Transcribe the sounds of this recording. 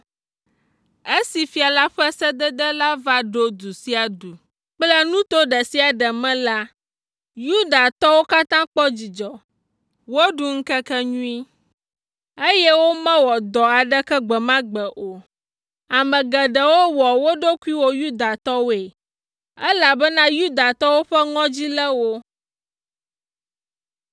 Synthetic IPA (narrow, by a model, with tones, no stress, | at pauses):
e˦si˨fi˦a˨la˦ɸɛ˦sɛ˦d̪ə˦d̪ɛ˦la˦va˦ɖo˦d̪u˨si˦a˨d̪u˨ | k͡plɛ˦nũ˦t̪o˦ɖə˨si˦a˨ɖə˨mɛ̃˦la˦ | ju˦d̪a˨t̪ɔ˦wo˦ka˦t̪ã˦k͡pɔ˦d͡ʑi˨d͡ʒɔ˨ | wo˦ɖu˨ŋ̩˦kɛ˦kɛ˦ɲũ˦i˦ | e˦jɛ˦wo˦mɛ̃˦wɔ˨d̪ɔ˨a˨ɖə˦kɛ˦ɡ͡bɛ˨mã˦ɡ͡bɛ˨ʔo˨ | a˨mɛ̃˨ɡɛ˨ɖə˨wo˦wɔ˨wo˦ɖo˦ku˦i˦wo˦ju˦d̪a˨t̪ɔ˦wo˦e˨ | ɛ˦la˨bɛ˦nã˦ju˦d̪a˨t̪ɔ˦wo˦ɸɛ˦ŋɔ̃˦d͡ʑi˦lɛ˦wo˦